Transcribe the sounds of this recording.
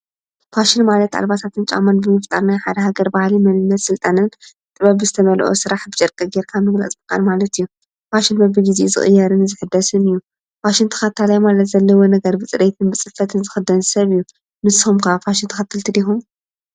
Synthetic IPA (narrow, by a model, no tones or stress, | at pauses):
faʃɪnmalɐt̪a̰lbat̪ʰat̪ʰɨnt͡ʃʼa̰manbɨmɨft̪ʼaɾnajħad̪ɐhaɡɐɾbahlimɐlɨnːɐt̪sɨlt̪ʼanɨn | t̪ʼɨβɐbɨzɨt̪ʰɐβɐlʔosɨɾaħbɨt͡ʃʼɐɾkʼɐɡeɾkʰamɨɡla̰t͡sʼbɨkʼa̰lmalɐt̪ɨjːu | faʃɪnbɐbɨɡizizɨ̰χʼɨ̰jːaɾɨnzɨħɨd̪ːɐsɨnɨjːu | faʃɪnt̪ʰɐ̥xat̪ʰːalajmalɐt̪zɐlːɐwonɐɡɐɾbɨt͡sʼɨɾet̪ʰɨnbɨt͡sʼɨfɐt̪ʰɨnzɨxɨd̪ːɐnsɐβɨjːu | nɨsɨxumkʰɐafaʃɪnt̪ʰxɐt̪ʰːɨlt̪ʰɨd̪ixum